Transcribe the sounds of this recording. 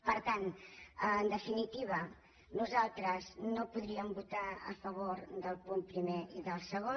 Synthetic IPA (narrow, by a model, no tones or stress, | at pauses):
pəɾt̪anənd̪əfinit̪iβ̞ə | nuzalˠt̪ɾəznopuðɾiəmbut̪aə̰fəβ̞oɾd̪əlˠpumpɾimeiðəlˠsəɣ̞o